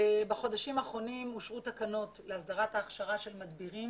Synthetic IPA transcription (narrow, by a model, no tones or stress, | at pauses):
baχo̞daʃimaːχʁo̞nimuʃʁutakano̞tleasd̪aʁataːχʃaʁaʃe̞lmad̪biʁim